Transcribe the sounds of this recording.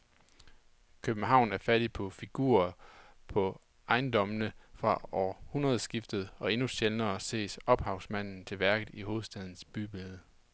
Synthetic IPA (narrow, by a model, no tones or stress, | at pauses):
kʰøb̥n̩ɦɑ̈ʊ̰næɐfæɾ̥ipʰɒ̽fiɡ̥ṵːɐpʰɒ̽ | ɑ̈ɪnd̥ɒ̽mənəfʁɑ̈ɒ̰ːhunʁɐð̞̩ˠsɡ̥ifd̥ð̩ˠɒ̽e̝nuɕelnɐːse̝̰ːsɒ̽b̥hɑ̈ʊsmæn̰n̩t͡sʰe̝ʋæɐɡ̥ð̩ˠiɦo̝ːð̩ˠsd̥æð̞ˠn̩sb̥yb̥eð̩ˠə